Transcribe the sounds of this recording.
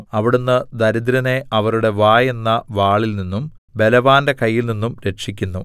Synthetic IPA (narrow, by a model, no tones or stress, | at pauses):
ɐʋiɽunːɨd̪ɐɾid̪iɾɐne̞ʔɐʋɐɾuɽe̞ʋaːje̞nːɐʋaːɭilninːum | be̞lɐʋaːnde̞kɐjːilninːumɾe̞ʈʂikʲːunːu